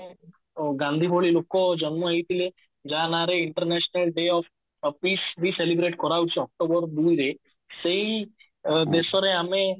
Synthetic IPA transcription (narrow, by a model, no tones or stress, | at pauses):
ɡãnd̪ʱibʱoɭilokɔd͡ʒɔnməait̪ʰile | d͡ʒanaɾeiɳʈəɾnɛɕnəlɖeɔf | pisbʱiselibɾeʈkɔɾaut͡ʃiɔk̚ʈobəɾd̪uiɾe | seɦi | d̪esɔɾeamẽ